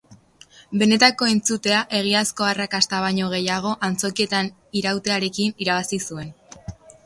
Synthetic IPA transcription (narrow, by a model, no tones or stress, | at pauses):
be̞ne̞t̪ako̞ent͡sut̪e̞aʔe̞ɣ̞iasko̞arakast̪aβ̞aɲo̞ɣ̞e̞jaɣ̞o̞ʔant͡so̞kie̞t̪an | iɾawt̪e̞aɾe̞kiniɾaβasisue̞n